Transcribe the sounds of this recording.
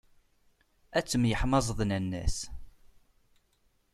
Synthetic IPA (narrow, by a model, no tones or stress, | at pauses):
æt͡sːəmjəħmɑzˤðˤnənːæ̰s